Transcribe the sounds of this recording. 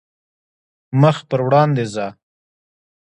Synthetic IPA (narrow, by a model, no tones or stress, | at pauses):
məxpəɾwɽɑnd̪ezɑ